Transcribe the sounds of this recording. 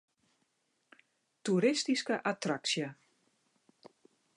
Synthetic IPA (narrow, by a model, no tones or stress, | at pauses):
tuɾɪstiskəʔatraksjə